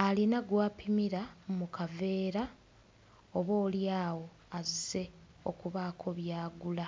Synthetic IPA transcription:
alinaɡwaːpimiɾamukave̞ːɾa | oβo̞ːljaːwo̞ | azise̞ | o̞kuβaːkʰo̞βjaːɡula

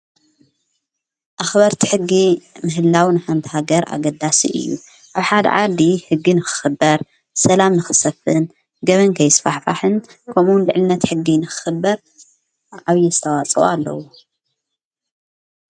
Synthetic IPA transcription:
ʔaxbɐɾt̪ʰi̥ħɨɡːimɨɦɨlːawnɨħant̪ʰɐhaɡɐɾʔa̰ɡɐd̪asḭʔɨ̰jːṵ | ʔaβħad̪ɐ̰ʕad̪ihɨɡːinɨxɨ̥xɨbːɐɾ | sɐlamnɨxɨsɐfɨn | ɡɐβɐnkʰɐjɪsfaħfaħɨnkʰɐmunlɨʕlɨnːɐt̪ħɨɡːinɨxɨ̥xɨbːɐɾ | ʕaβjɛzɨt̪ʰɐwat͡sʼo̰alːɐ̰wo

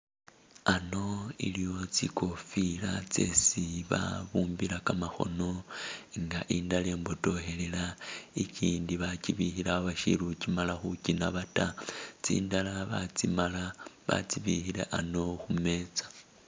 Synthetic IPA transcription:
ano̞ḭlijo̞t͡sikʰo̞filat͡se̞siβa̰βuːmbilakamaxo̞̰no̞ŋɡaʔindale̞ːmbo̞to̞he̞le̞laiciːndiβaciβixilaaβaʃḭɾucimalaxucinaβatat͡sḭːndalaβat͡simalaβa̰t͡siβixilḛʔano̞xume̞t͡sḁ

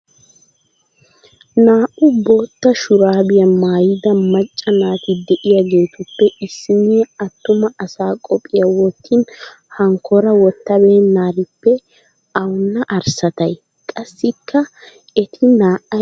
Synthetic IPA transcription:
naːʔʊbo̞ːt̪ːɐʃʊɾaːbɪjɐmaːjɪd̪ɐmɐt͡ʃʼːɐnaːt̪ɪd̪ɛʔɪjaɡe̞ːt̪ʊpːɛʔɪsːɪniɛɐt̪ːʊmɐɐsaːkʼɔpʼːɪjɐwɔt̪ːɪn | hɐŋkʰɔɾɐwɔt̪ːɐbe̞ːnːaːɾɪpːɛ | ɐwʊnːɐʔɐɾsɐt̪ɐj | kʼɐsːɪkʰːɐ | ɛt̪ʰɪnaːʔɐ

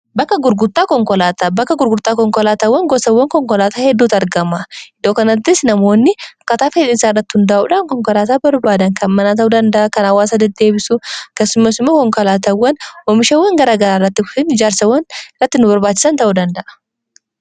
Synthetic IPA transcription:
bɐkːɐɡʊɾɡʊt̪ʼːaːkɔŋkɔlaːt̪ɐbɐkːɐɡʊɾɡʊɾt̪ʼːaːkɔŋkɔlaːt̪ɐwːɐŋɡɔsɐwːɐŋkɔŋkɔlaːt̪aːhɛd̪ːuːt̪ɐɾɡɐmɐɪd̪o̞ːkɐnɐt̪ːɪsnɐmo̞ːnːɪɐkːɐt̪aːfet̪ɪnsaːrːɐt̪ːɪ̥hʊnd̪ɐʔṵːᶑaːnkɔŋkɔlaːt̪aːbɐɾbaːd̪ɐŋkɐnmɐnaːt̪ɐʔud̪ɐnd̪ɐʔɐkɐnɐwːaːsɐd̪ɛd̪e̞ːbɪsʊɐkeːsːʊmːɐsɪmːoːkɔŋkɔlaːt̪ɐwːɐnwɔmɪʃɐwːɐŋɡɐɾaːɡɐɾaːrːɐt̪ːɪkʊ̥sɪnɪd͡ʒaːɾsɐwːɐnɪrɐt̪ːɪnʊbɐɾbaːt͡ʃːɪ̥sɐnt̪ɐʔud̪ɐnd̪ɐʔɐ̥

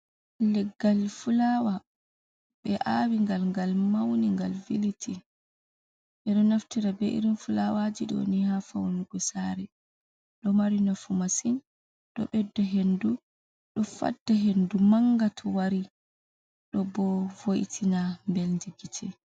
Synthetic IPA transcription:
lɛɡːalfulawa | ɓɛʔawiŋɡalŋɡalmawniŋɡalvilitʰi | ʔɛɗɔnaftiɾabɛʔḭɾinfulawad͡ʒiɗɔ̰nihafawnuɡɔsaɾɛ | ɗɔmaɾinafumasin | ɗɔ̰ɓɛdːɔɦendu | ɗɔfa̰dːaɦendumaŋɡatʰɔwaɾi | ɗɔbɔvoʔtʰinambelndiɡitʰɛ

